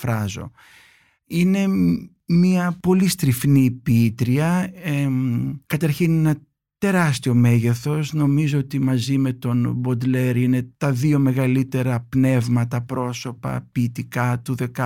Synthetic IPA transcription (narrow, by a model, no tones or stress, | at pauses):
fɾɐzo̞̰ | ine̞ | miɐpo̞list̪ɾifniːpiit̪ɾiɐekɐt̪ɐɾçinenɐ | t̪e̞ɾɐst̪io̞me̞ʝe̞θo̞sno̞mizoot̪imɐzime̞t̪o̞nbo̞d̪le̞ɾine̞t̪ɐðio̞me̞ɣɐlit̪e̞ɾɐpne̞vmɐt̪ɐpɾo̞so̞pɐ̰piːt̪ikɐt̪uðe̞kɐ